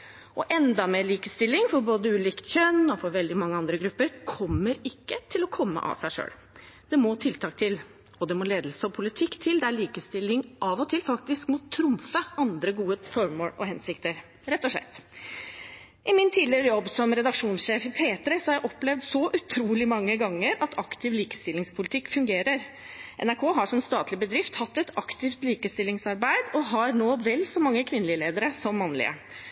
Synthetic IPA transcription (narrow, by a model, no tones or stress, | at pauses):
ʔɔʔɛnd̪ɑmeːɭiːkəst̪ɪlːɪŋfɔɾboːd̪əʉːliːkt̪çœnːɔfɔɾʋɛld̪ɪmɑŋːəɑnd̪ɾəɡɾʉpːəɾkʰɔmːəɾɪkːət̪ʰɪlɔkʰɔmːə̰ʔɑ̰ʋsæɪʂø̰ːl | d̪̥ɛmɔt̪ʰɪlt̪ʰɑːk̚t̪ʰɪl | ɔd̪ɛmɔleːd̪lsəɔpʰʊlɪt̪ʰɪkːt̪ʰɪld̪ɛæɭiːkəst̪ɪlːɪŋʔɑʋɔt̪ʰɪlfɑkt̪ɪskmʊt̪ʰɾʊmfəɑnd̪ɾəɡuːəfɔɾmoːlɔ̰hɛnsɪkt̪əɾ | ɾɛt̪ːɔʂlɭɛ̰t̪ː | ʔɪmɪnt̪ʰiːd̪lɪɾəjɔbːsɔmɾɛd̪ɑkʂuːnsʂeːfpʰeːt̪ɾəsɔhɑɾjæɪʔɔplɛʋd̪sɔʔʉt̪ʰɾuːlɪmɑŋːəɡɑŋːəɾɑt̪ɑkt̪ʰɪʋliːkə̥st̪ɪlːɪŋspʰʊlɪt̪ʰɪkːfʉŋɡeːɾəɾ | ʔɛ̰næɾkʰoːɦɑʂɔmst̪ɑːt̪lɪbəd̪ɾɪft̪hɑt̪ːɛt̪ɑkt̪ɪft̪liːkəst̪ɪlːɪŋsɑɾbæɪd̪ɔɦɑɾnoːʋɛlːsɔmɑŋːəkʰʋɪnlɪəleːd̪əɾəsɔmːɑnːlɪ̰ə̰